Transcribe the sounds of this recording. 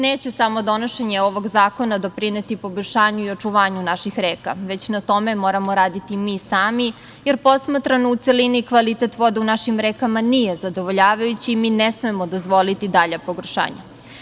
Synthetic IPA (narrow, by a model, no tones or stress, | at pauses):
neːt͡ɕe̞samo̞d̪o̞noʃe̞ɲeo̞ʋo̞ɡzaːko̞nad̪o̞pɾinet̪ipo̞boʎʲʃaːɲuiot͡ʂuʋaːɲunaʃixɾeːka̰ʋe̞t͡ɕnat̪o̞me̞mo̞ːɾamo̞ɾaːd̪it̪imiːsaːmi | jeɾpo̞smat̪ɾanout̪selinikʋalit̪et̪ʋo̞d̪eunaʃimɾeːkamanijezad̪o̞ʋoʎaːʋajut͡ɕiːminesme̞mod̪o̞zʋo̞lit̪id̪aʎapoɡrʃa̰ːɲa̰